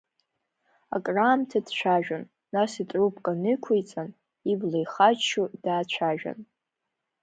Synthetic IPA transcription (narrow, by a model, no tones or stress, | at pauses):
a̰kʼraːmtʰad̥t͡ʃʷʰaʒᶣanː | asitʼrupʰʼkʼanɨkʷʰejt͡sʼan | iblejχat͡ʃʰudaːt͡ɕʷʰaʒᶣa̰n